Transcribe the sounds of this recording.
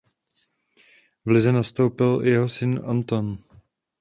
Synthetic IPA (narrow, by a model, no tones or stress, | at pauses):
vlɪzɛnast̪o̞wpɪl̰jɛɦosɪnʔant̪on